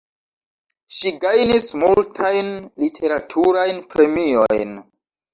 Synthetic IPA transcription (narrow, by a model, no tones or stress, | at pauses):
ʃiɡajnismultʰajnlitʰe̞ɾatʰuɾajnpɾe̞mio̞̰jn